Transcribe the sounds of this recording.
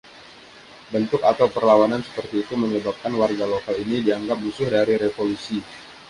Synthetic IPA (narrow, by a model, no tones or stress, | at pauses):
bənt̪ʊkat̪awpərlawanansə̥pərt̪iːt̪uməɲəbap̚kanwarɡalokalinidiaŋɡap̚musʊhdaɾiɾefolusi